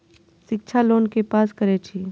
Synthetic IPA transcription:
ʃɪk̚t͡ʃʰaloːnkepaːskəɾet͡ʃʰi

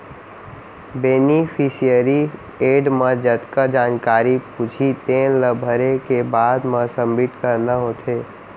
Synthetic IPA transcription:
beːnipʰisijəɾi | eːɖməd͡ʒət̪kad͡ʒaːnkaːɾipud͡ʒʰit̪eːnləbʱəɾekebaːd̪məsəmbɪʈkəɾnaɦot̪ʰeː

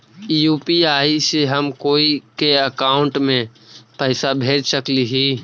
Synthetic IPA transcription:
ijuːpiaːiseɦəmkoːikeəkaːʊ̃ɳʈmẽpɛɪsabʱeːd͡ʒsəkliɦiː

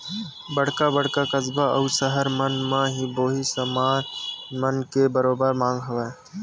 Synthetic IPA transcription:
bəɽ̤kabəɽ̤kakəzbaʔɐʊsəɦəɾmənmãɦiboːɦisəmaːnmənkebəɾoːbəɾmãːŋɡɦʊʋe

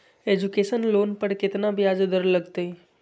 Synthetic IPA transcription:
ed͡ʒukeːʃənloːnpəɾkɪt̪nabʱiaːd͡ʒd̪əɾləɡt̪ei

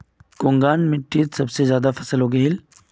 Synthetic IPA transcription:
kõːŋɡaːnmɪʈːiːt̪sɐbsezjaːd̪afɐsəlɦoːɡɐɦɪl

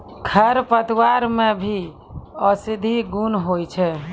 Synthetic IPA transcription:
kʰəɾpət̪iwaɾmebʱi | əsid̪ʱiɡunɦojt͡ʃʰɛ

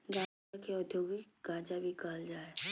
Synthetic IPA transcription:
ɡa | akeʊd̪ʱjoːɡik | ɡaːd͡ʒabʱikaːld͡ʒaːe

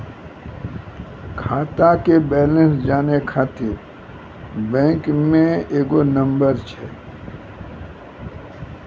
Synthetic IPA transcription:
kʰaːt̪akebɛːlə̃nsd͡ʒaːnekʰaːt̪eɾ | bɛ̃ːŋkmẽeːɡonə̃mbəɾt͡ʃʰɛ

